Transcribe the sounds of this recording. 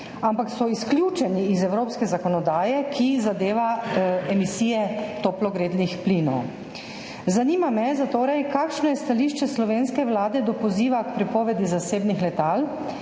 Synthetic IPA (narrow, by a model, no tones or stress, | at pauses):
ampaksɔisklʲjuːt͡ʃɛniːzɛwɾoːpskɛzakɔnɔd̪aːjɛkʰizad̪eːʋaɛmisiːjɛt̪oːplɔɡɾeːd̪nixpliːnɔw | zaniːmamɛzat̪oːɾɛjkaːkʃnɔjɛst̪aliːʃt͡ʃɛslɔʋeːnskɛʋlaːd̪ɛd̪ɔpɔziːʋakpɾipɔːʋɛd̪izaseːbnixlɛt̪aːl